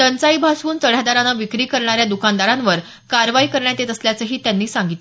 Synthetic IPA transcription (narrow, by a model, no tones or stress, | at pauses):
t̪ənt͡saiːbʱasʋuːnt͡səɽ̤ad̪aɾanaʋikɾiːkəɾɳaɾjad̪ukand̪aɾãnʋəɾ | kaɾʋaikəɾɳjat̪et̪əsljat͡səɦiːt̪janːiːsaŋɡit̪l